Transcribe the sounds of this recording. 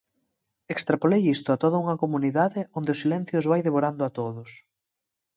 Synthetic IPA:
ekst̪ɾapolejist̪ʊat̪oðɐuŋɐkomuniðaðɪond̪eʊsilɛn̟θjʊzβajðeβoɾand̪ʊat̪oðʊs

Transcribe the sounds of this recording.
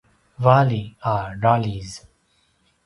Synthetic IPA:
ʋaːliaːɖaːliz

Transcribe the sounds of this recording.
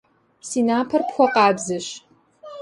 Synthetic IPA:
siːnaːpʰɐrpxʷɔqɑːbzɨɕ

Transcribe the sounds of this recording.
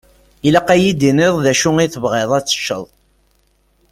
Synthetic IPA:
ilaqːæjid̪inɪðˤðæʃʊŋiθəvʁeðˤæt͡sːə̥ʃːə̰ðˤ

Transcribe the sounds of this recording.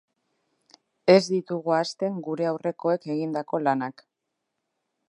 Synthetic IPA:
e̞zd̪it̪uɣuast̪e̞ŋɡuɾe̞awre̞ko̞e̞ke̞ɣind̪ako̞lanak

